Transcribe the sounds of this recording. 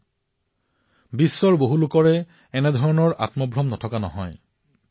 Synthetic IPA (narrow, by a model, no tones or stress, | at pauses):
bisːɔɹboɦulʊkɔɹɛ | ɛnɛdʱɔɹɔnɔɹa̰tmɔbʱɹɔmnɔtʰɔkanɔ̰ɦɔ̰j